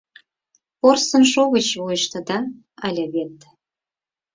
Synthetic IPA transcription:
porsə̆nʃoɣət͡ɕβujəʃt̪ə̆d̪ɑ | ɑlʲeβet̪

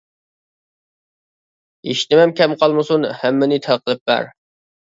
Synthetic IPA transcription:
eʃt̪ɪmɛmkʲʰɛmqʰɑlˠmɨsunhɛmːɪnɪt̪ʰæqʰəlˠɨp̚bæ̰ɾ

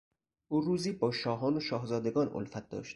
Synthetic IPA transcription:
ʔuːruːziːbɒːʃɒːɦɒːnoʃɒːhzɒːd̪eɡɒːnʔo̰lfæt̪̚d̪ɒ̰ːʃt̪̚

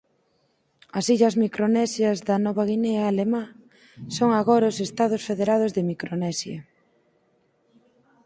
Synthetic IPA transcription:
ɐsiʎɐzmikɾonɛsjɐzðɐnɔβaɣinɛaːlemã | soŋaɣɔɾɐosest̪að̞ʊsfeðeɾað̞ozðemikɾonɛsjɐ

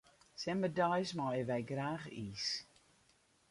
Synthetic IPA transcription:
sɛmədɔjsmɔwɛʋɛjɡraːxiːs

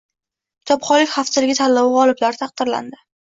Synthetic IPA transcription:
kʲɪt̪ʰɒpχɒlɪkʲχafsɪlɪɡʲɪt̪ʰalːɒwɪʁɒlˠɪblaɾɪt̪ʰɑq̚d̪ɪɾla̰nd̪ɪ

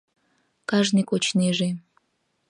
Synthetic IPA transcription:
kɑʒnikot͡ɕneʒe

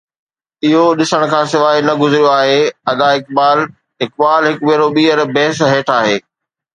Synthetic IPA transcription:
ɪɦoɗɪsəɽ̃̆kʰãːsɪʋaːinɐɡʊzɪɾijoaːɦeːɐd̪aɪk̚baːl | ɦɪk̚ɓaːlɦɪkʋiɾoɓiːəɾbɛɦsɦeːʈʰaːɦeː

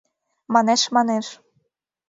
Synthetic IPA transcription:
mɑneʃmɑneʃ

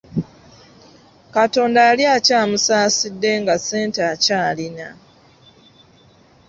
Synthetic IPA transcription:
kato̞ːndajaljacaːmusaːsidːe̞ŋɡase̞ːnteacaːlina

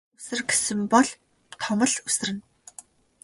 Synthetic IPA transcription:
usɘ̆rɡe̥sɘ̆mpɔɮ | t̪ʰɔmə̆ɮusɘ̆rɘ̆n

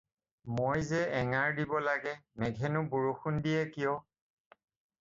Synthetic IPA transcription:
mojzɛɛŋaɹdibɔlaɡɛmɛɡʱɛnʊbuɹuxundijɛkijɔ

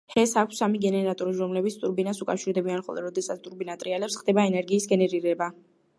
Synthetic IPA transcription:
hɛsakʷʰsːamiɡɛnɛɾat̪ʼɔɾiɾɔmlɛbit̪st̪ʼuɾbinasukʼafʃiɾd̪ɛbianχɔ̰lˠɛ̰ɾɔd̪ɛsat̪sʰt̪ʼuɾbinat̪ʼɾialɛpsχd̪ɛbaɛnɛɾɡiːsɡɛnɛɾiɾɛba

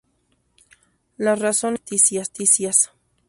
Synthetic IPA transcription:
larasont̪isjast̪isjas

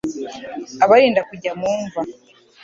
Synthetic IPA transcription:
aβaɾiːndakuɟamuːɱva

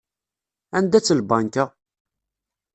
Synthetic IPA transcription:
ænd̪æt͡sːəlbɑŋka

